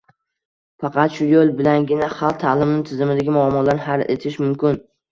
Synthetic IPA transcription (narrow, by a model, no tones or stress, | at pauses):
fɑqʰɑt̪ʃʊjolˠbɪlanɡʲɪnaχɑlˠq̚t̪ʰalˠɪmnɪt̪ʰɪzɪmɪd̪aɡʲɪmʊamːɒlaɾnɪɦale̞̰t̪ʰɪʃmʊmkʲɪn